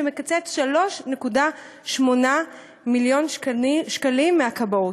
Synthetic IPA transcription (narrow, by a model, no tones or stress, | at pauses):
emekat͡set̪ʃalo̞ʃne̞kuda | ʃmo̞na | miljonʃkalimːeakaboo